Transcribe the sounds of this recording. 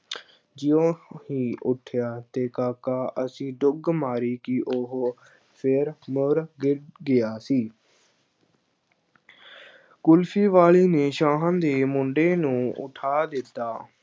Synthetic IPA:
d͡ʒɪõːɦiːʔʊʈʰjaːt̪eːkaːkaːʔəsĩːɖʊɡmaːɾiːkɪʔoɦ | pʰɪɾməɾɡɪʈɡɪjaːsiː | kʊlpʰiːʋaːliːneːʃãːɦãːnd̪eːmʊɳɖeːnũːʊ̰ʈʰaːd̪ɪt̪ːaː

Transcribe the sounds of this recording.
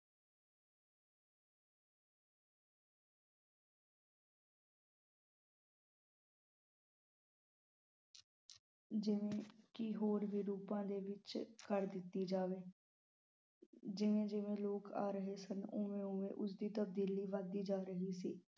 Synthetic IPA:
d͡ʒɪʋẽːkɪɦoːɾʋiːɾuːpãːd̪eːʋɪt͡ʃkəɾd̪ɪt̪ːiːd͡ʒaːʋeː | d͡ʒɪʋẽːd͡ʒɪʋẽːloːka̰ːɾəɦeːsənʊːʋẽːʊ̃ːʋḛ̃ːʔʊsd̪iːt̪əb̚d̪iːliːʋad̪iːd͡ʒaːɾəɦiːsiː

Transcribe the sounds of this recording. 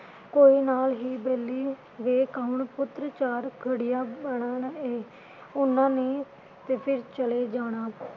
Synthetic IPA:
koːiːnaːlɦiːbeːlːiː | ʋeːkaːʊɳpʊt̪ɾt͡ʃaːɾkʰəɽɪjaːbəɳaːneː | ʊnːãːneː | t̪eːpʰɪɾt͡ʃəleːd͡ʒaːɽ̃aː

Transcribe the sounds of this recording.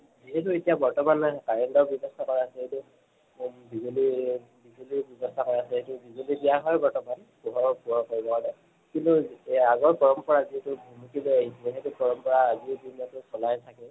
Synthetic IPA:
ziɦɛtuetijabɔɹtɔmankaɹɛndɔɹbjɔbɔstʰakɔɹasɛɦetu | bizulibizulibjɔbɔstʰakɔɹasɛetubiɡulibijaɦɔjbɔɹtɔman | pɔɦɔpuɔkoɹibɔadɛ | kintuaɡɔɹpɔɹɔmpɔɹaziɦɛtʊbʱumukileaɦisiɦɛtupɔɹɔmpɔɹaːzibinɔtʊsɔlajtʰakɛ

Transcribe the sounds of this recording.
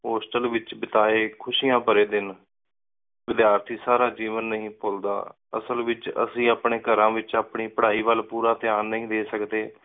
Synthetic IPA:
ɦoːsʈəlʋɪt͡ʃbɪt̪aːeːkʰʊʃiːãːpəɾeːd̪ɪn | ʋɪd̪jaːɾt̪ʰiːsaːɾaːd͡ʒiːʋənːəɦĩːpold̪a̰ː | ə̰səlʋɪt͡ʃə̰sĩːaːpɳeːɡəɾãːʋɪt͡ʃaːpɳiːpəɽaːiːʋəlpuːɾaːt̪ɪaːnːəɦĩːd̪eːsəkd̪eː

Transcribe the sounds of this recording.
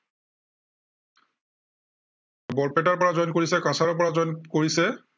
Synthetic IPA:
bɔɹpetaɹpɔɹazɔjnkoɹisɛkãsaɹɔpɔɹazɔjnkoɹisɛ

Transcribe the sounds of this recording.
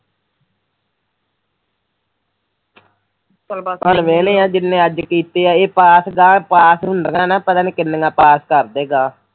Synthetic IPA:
pənʋeːlẽːãːd͡ʒɪnːẽːəd͡ʒkiːt̪eːaːeːpaːsɡaːpaːsɦʊnɖəŋãːnãːpət̪aːniːkɪnːəŋɡaːpaːskəɾd̪eːɡaː

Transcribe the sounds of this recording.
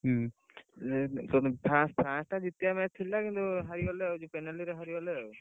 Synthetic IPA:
ɦ | t̪ɔnpʰɾãspʰɾãsʈad͡ʒit̪ijamɛt̪ʰːilːakint̪uɦaɾiɔleod͡ʒupenaliɾeɦaɾiɔle

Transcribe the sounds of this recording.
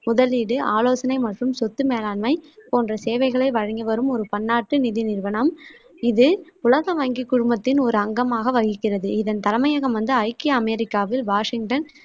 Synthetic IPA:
mʊðɐliːɽɯʔaːloːsɐnɐɪmɐʈrɯmsɔt̪ːɯmeːlaːnmɐɪpoːndrɐseːʋɐɪɣɐɭɐɪʋɐɻɐŋɡɐʋɐɾɯmɔɾɯpɐnːaːʈːɯnɪðɪnɪɾʋɐɳɐm | ɪðɯʊlɐɣɐʋɐŋɡɪkːʊɻʊmbɐt̪ːɪnɔɾɯɐŋɡɐmaːɣɐʋɐɣɪkːɪrɐðɯɪðɐnt̪ɐlɐmɐjɐɣɐmʋɐnd̪ɯɐɪkːiɐmɛɾɪkːaːʋɪlʋaːʂɪŋʈɐn

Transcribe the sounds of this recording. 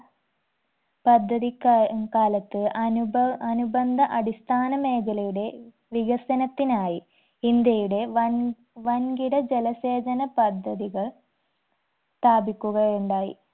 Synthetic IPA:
pɐd̪ʱːɐðikkaːlɐt̪ːɨɐnubɐnubɐnd̪ʱɐʔɐɽist̪ʰaːnɐme̞ːkʰɐlɐjuɽe̞ | ʋiɣɐsɐnɐt̪ːinaːji | ind̪jɐjuɽe̞ | ʋɐnɡiɽɐd͡ʑelɐse̞ːd͡ʑɐnɐpɐd̪ʱːɐðiɣɐɭ | t̪aːbikʲːuɣɐjuɳɖaːjḭ

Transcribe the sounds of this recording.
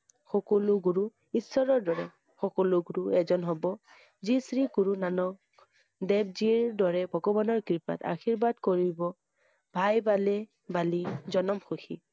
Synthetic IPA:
xɔkɔluɡuɹu | isːɔɹɔɹdɔɹɛ̰ | xɔkɔluɡuɹuɛzɔnɦɔbɔ | zisɹiɡuɹunanɔk | dɛb̚ziɹdɔɹɛbʱɔɡɔbɔnɔɹkɹipa̰ta̰xiɹbadkɔɹibɔ | bʱajbalɛ | balizɔnɔmxuxḭ

